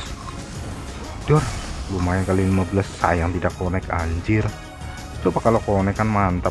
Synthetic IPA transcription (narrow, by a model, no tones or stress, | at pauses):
d̥ɔrlumajaŋkalilimabəlasːa̰jaŋt̪idakːonɛkaɲd͡ʒɪr | t͡ʃupakalokonɛkanmant̪ə